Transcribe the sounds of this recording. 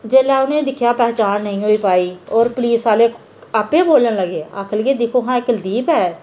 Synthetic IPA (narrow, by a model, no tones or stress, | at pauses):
d͡ʒeːlɛːʊnẽːd̪ɪkʰjaːpɛːt͡ʃaːnːəĩːɦoːiːpaːiːɔːɾpliːsaːleː | aːpeːboːlənləɡeːa̰ːkʰəlɡeːd̪ɪkʰoːɦãːɪkəld̪iːpɛː